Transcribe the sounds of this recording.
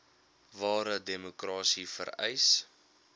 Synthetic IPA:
vɑːɾədemukrɑːsifə̰ɾɛ̰js

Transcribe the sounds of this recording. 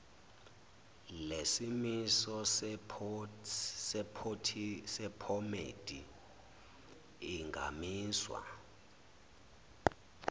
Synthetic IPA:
lesimisɔspʰ | sɛpʰotʰisɛpʰɔmḛd̥ʱi | ŋɡʱa̰miːswa̰

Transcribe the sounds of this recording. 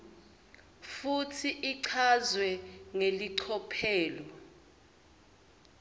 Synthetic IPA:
futʰiʔiǀʰazwɛŋeliǀʰɔpʰɛːlɔ

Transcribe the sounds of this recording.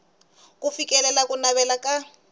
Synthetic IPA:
kufikʼɛlɛlakʼʊnaβɛlakʼa

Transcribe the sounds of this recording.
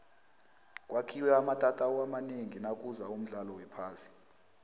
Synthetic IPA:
k̬ʼwakʰiwɛamatʼatʼaɔwamaneŋinakʼuzaum̩ɮalɔwɛpʰaːsi̥

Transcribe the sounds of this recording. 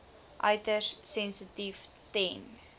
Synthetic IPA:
ʔœ̰ɥtərsɛnsətif | tɛn

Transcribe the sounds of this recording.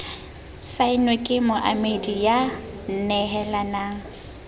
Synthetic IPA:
saɪnwekʼɪmʊʔamedija | n̩nɛɦɛlanaːŋ̩

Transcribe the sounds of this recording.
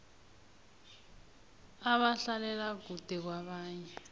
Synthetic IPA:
aβaɬalɛlaɡʱud̥ʱɛk̬waβaːɲɛ

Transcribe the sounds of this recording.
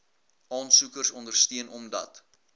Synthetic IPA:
ɑːnsukərsɔndərstiənɔmdɐ̰t

